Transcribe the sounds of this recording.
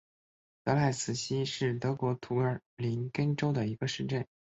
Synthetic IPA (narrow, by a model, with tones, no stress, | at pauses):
t̪ɤ˧˥la˥˩ɪsɹ̩˨˩ɕi˥ʂɻ̩˥˩t̪ɤ˧˥kwɔ˧˥t̪ʰu˧˥ə˞˨˩li˧˥nkə˥nʈ͡ʂo˥ʊd̪ə˨i˧˥ɡ̥ə˧ʂɻ̩˥˧ʈ͡ʂə˥˩n